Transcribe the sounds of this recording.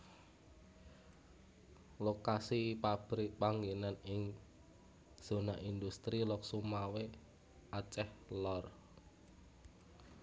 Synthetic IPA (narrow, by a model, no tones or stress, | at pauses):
lokasipab̥ɾipaŋɡenanɪŋ | z̥o̤naʔind̪ust̪ɾilɔk̚sumawe | at͡ʃɛhlɔr